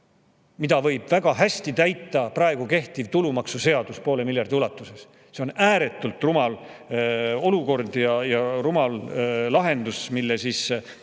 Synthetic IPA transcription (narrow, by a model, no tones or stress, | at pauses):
mid̪ɑvɤ̞jb̥væɡ̥ɑɦæst̪it̪æjt̪ːˑɑprɑe̞ɡ̥uke̞ht̪ivt̪ulumɑksuse̞ɑd̪uspo̞ːlemiljɑrd̪̥iulɑt̪ːˑuse̞s | seo̞næːɾe̞t̪ːˑult̪ˑrumɑl | o̞luko̞rd̪jɑjɑrumɑllɑɦe̞nd̪usmilːesis